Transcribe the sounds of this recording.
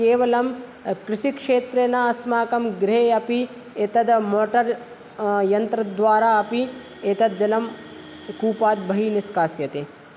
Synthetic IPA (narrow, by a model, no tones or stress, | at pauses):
keːʋɐlɐmkɾɪʃikʂeːt̪ɾenaɐsmaːkɐmɡɾeːɐpi | et̪ɐd̪moːʈɐɾ | jɐnt̪ɾɐd̪ʋaːɾaːɐpi | et̪ɐd̪̚d͡ʒɐlɐm | kuːpaːd̪̚bʱɐɦiniskaːsjɐt̪e